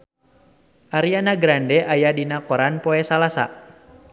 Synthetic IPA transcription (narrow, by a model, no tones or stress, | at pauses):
ʔaɾianaɡɾandɛʔajadinakɔɾanpɔɛsalasa̰